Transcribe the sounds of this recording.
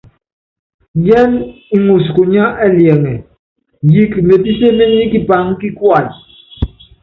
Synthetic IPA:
jɛ˦ni˨ŋu˨sku˨ɲa˦ʔɛ˦ljɛ˨ŋɛ˨ | ji˦kme˨pi˦se˦me˦ni˦ki˦pa˨˦ŋki˦kwa˨l

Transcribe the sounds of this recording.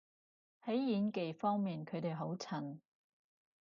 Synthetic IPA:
hɐ˨˥jjiː˨˧nke˨jfɔː˥ŋmiː˨˩nkʰɵ˨˧ɥt̪e˨jɦo˨˥wt͡sʰɐ˨˩n

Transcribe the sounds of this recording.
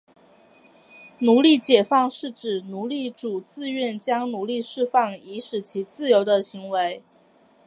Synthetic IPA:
nu˧˥li˥˩t͡ɕjɛ˨˩fɑ˥˧ŋʂɻ̩˥˩ʈ͡ʂɻ̩˨˩nu˧˥li˥˩ʈ͡ʂu˨˩t͡sɹ̩˥˧ɥɛ˥˩nt͡ɕjɑ˥ŋnu˧˥li˥˧ʂɻ̩˥˧fɑ˥˩ŋi˧˥ʂɻ̩˨˩t͡ɕʰi˧˥t͡sɹ̩˥˩jo˧˥ʊd̪ə˧ɕi˧˥ŋwe˧˥ɪ

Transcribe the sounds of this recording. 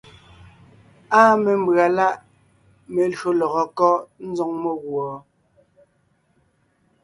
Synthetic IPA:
aː˦me˨m˦bɰa˨la˦ʔ | me˨lɰo˨lɔ˨ɣɔ˨kɔ˦ʔn̩˦d͡zɔ˦ŋmo˦ɣwɔː˨

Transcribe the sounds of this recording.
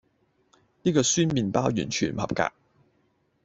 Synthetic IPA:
niː˥kɔː˧syː˥nmiː˨˧npaː˥wjyː˨˩nt͡ʃʰyː˨˩n˨hɐ̰˨˩p̚ka̰ː˧k̚

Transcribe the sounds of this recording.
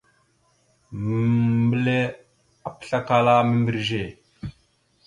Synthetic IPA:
mə˨mbə˦le˦ | a˨pə̥˨ɬa˦ka˦la˦mə˦mbi˨ɾʒe˨

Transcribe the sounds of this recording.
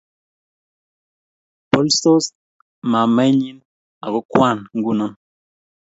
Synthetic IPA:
pɔ˦lso˦s | ma˨mɛ˦ɲi˦n | a˨ɡo˦kwa˦˨nŋ̩˦ɡu˦˨nɔ˦n

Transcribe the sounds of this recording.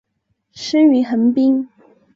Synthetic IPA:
ʂə˥y˧˥xə˧˥npi˥ŋ

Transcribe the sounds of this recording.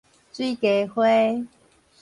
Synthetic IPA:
t͡swi˥˧˨ke˨˦hwe˦

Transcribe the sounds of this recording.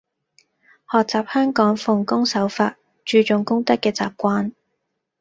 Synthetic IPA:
hɔː˨k̚t͡saː˨p̚hœː˥ŋkɔː˨˥ŋfʊ˨˩ŋkʊ˥ŋsɐ˨˥wfa̰ː˧t̚ | t͡ʃyː˨˧t͡ʃʊ˨˩ŋkʊ˥ŋt̪ɐ˥kːɛː˧t͡sa̰ː˨p̚kʷaː˧˥n

